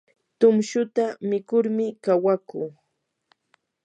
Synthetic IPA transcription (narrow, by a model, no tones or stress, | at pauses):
t̪ʊmʃʊt̪amɪkʊɾmɪkawakuː